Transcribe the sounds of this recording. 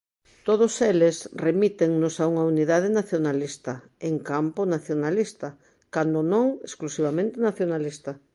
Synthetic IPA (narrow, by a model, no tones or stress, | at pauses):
t̪oð̞ʊselesremit̪eŋnʊsauŋauniðað̞enaθjonalist̪ɐ | eŋkampʊnaθjonalist̪ɐ | kand̪onõŋesklusiβ̞amẽnt̪enaθjonalist̪ɐ